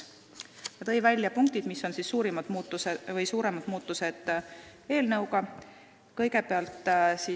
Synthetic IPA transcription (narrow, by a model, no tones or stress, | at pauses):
jɑt̪ɤ̞jvælʲːjɑpuŋk̚t̪id̪misːo̞nsisːuːɾimɑd̪̥muːt̪ːˑusevɤjsuːɾe̞mɑd̪̥muːt̪ˑːuse̞d̪̥ | e̞ːlnɤwɡɑ | kɤ̞jɡ̥e̞peɑlt̪ˑːsi